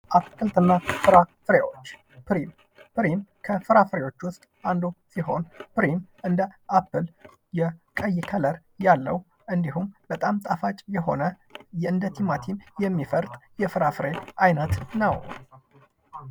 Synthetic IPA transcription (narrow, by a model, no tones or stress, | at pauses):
ʔapːɨlt̪ʼɨnːafɨɾafɨɾewo̞t͡ʃː | pɨɾim | pɨɾimkʰəfɨɾafɨɾewo̞t͡ʃːwʊst̪ʼand̪osiɦo̞̰npɨɾimʔɨnd̪əʔapːɨl | jɛkʼəjːɪkʰələɾ | jalːə̰w | ʔɨnd̪iɦumbət̪ʼamt̪ʼafat͡ʃʼjɛɦo̞̰nə | jɛɨnd̪ət̪ʰimat̪ʰimjɛmːifəɾt̪ʼjɛfɨɾafɨɾeʔajnət̪nəw